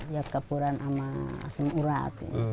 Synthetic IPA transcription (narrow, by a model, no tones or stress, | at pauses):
jakːapuɾanama̰samuɾa̰t̪ḭn